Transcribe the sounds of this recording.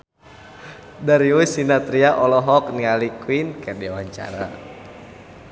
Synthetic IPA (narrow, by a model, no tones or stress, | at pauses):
daɾiusinat̪ɾiaʔɔlɔɦɔknialikwinkadiwaɲt͡ʃa̰ɾa̰